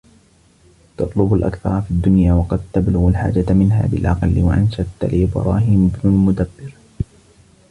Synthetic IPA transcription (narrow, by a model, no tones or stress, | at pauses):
t̪ɑt̪ˤlʊbʊlʔa̰kθɑ̰ɾˤɑfid̪ːʊnjaːwɑqɑd̪̚t̪ablʊɣalħa̰ːd͡ʒat̪mɪnɦa̰ːbɪ̰lʔɑqɑlːɪwaʔanʃat̪ːa̰liːbɑ̰ɾˤɑ̰ːɦiːmʊbnʊlmʊd̪abːɪɾ